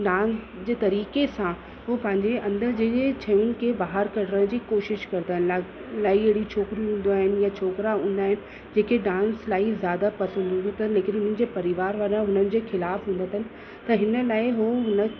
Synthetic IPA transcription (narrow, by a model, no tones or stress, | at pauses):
ɖãːns | d͡ʑeːt̪ɐɾiːkesã | ɦopɐ̃ɦɪ̃ɲd͡ʑeʔɐ̃nd̪əɾd͡ʑeːt͡ɕʰɐjʊnɪ̆kʰebaːɦəɾkɐɾɽɾə̃d͡ʑiːkoːʃɪʃkɐɾt̪aɦɪna | laːieɦɪɽit͡ɕʰoːkɾiɦũːn̆d̪aːɦɪnɪ̆jat͡ɕʰoːkɾaɦũːn̆d̪aːɦɪnɪ̆ | d͡ʑeːkeɖãːnslaːizjaːd̪apɐsə̃nd̪ʱũnot̪nleːkɪnɦʊnənɪ̆d͡ʑeːpɐɾɪʋaːɾʋaɾãɦʊnənɪ̆d͡ʑeːxɪlaːfɦũːnd̪ət̪ʰənɪ̆ | t̪ɐɦɪnəlaːɪɦoɦʊnə